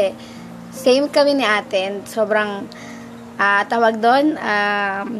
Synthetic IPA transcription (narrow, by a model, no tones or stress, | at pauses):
ɛ | sejmkɐmɪnɪʔaːt̪ɪnsoːbɾɐŋ | ʔat̪aːwɐɡ̚d̪ona